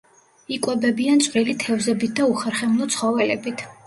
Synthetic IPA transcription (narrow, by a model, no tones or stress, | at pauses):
ikʼwɛbɛbiant̪t͡ʃʼqʼɾilit̪ʰɛvzɛbit̪̚ʰd̪auχɛɾχɛmnɔt̪sʰχɔvɛlɛbit̪ʰ